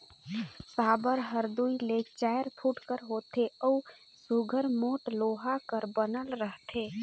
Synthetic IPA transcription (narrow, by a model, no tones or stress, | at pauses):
saːbəɾɦəɾd̪uilet͡ʃajɾpʰuʈkəɾɦoːt̪ʰeɔu | suɡʱəɾmoːʈloːɦakəɾbənəlɾəɦt̪ʰe